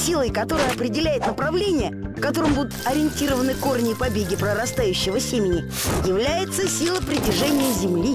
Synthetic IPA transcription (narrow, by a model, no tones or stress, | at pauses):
sʲilˠəjkɐt̪o̞ɾəjəɐpɾʲɪdʲɪlʲæjɪt̪nəpɾɐvlʲenʲɪjə | fkɐt̪o̞ɾɨmbud̪ʊt̪ɐɾʲɪɪnʲtʲiɾəvənɨkornʲɪːpɐbʲeɡʲɪpɾəɾɐst̪ajʉɕːɪvəsʲemʲɪnʲɪ | jɪvlʲæjɪt̪səsʲilˠəpɾʲɪtʲɪrʐɛnʲɪjəzʲɪmlʲi